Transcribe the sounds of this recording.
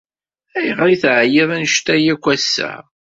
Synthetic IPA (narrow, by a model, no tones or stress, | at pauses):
æjʁɾiθʕjɪðˤænʃt̪æjækʷːæsːæ̰